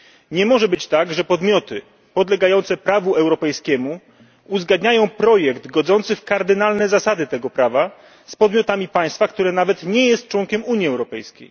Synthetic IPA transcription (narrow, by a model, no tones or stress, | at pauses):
ɲɛmɔʐɛbɘt͡ɕt̪aɡʐɛpɔd̪mʲjɔt̪ɘ | pɔd̪lɛɡajɔnt̪sɛpɾavuɛwɾɔpɛjskʲɛmu | uzɡad̪ɲajɔ̃w̃pɾɔjɛkd̪ɡɔd̪zɔnt̪sɘfkaɾd̪ɘnalnɛzasad̪ɘt̪ɛɡɔpɾava | spɔd̪mʲjɔt̪amʲipaj̃st̪fakt̪uɾɛnavɛt̪ɲɛjɛst̪̚t͡ʂwɔŋkʲɛmuɲjiɛwɾɔpɛjskʲḛj